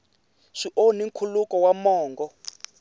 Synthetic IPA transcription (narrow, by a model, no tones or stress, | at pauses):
ʂiʔoniŋkʰulukɔwamɔːŋɡɔ